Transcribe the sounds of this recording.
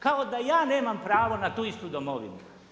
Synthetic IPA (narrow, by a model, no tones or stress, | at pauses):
kaod̪ajaːne̞ːmampɾaːʋonat̪uist̪ud̪omoʋḭnu